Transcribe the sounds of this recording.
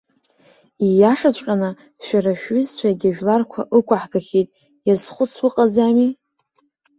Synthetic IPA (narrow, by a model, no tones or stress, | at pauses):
ijaʂat͡ɕʷʼqʲʼana | ʃᶣaɾaʃᶣɥʏzt͡ɕʷʰaɡʲaʒᶣlarkʷʰaʔɨkʷʰʼaħɡaχʲejtʼ | jazχʷʊt͡sʰwʊqʼad͡zami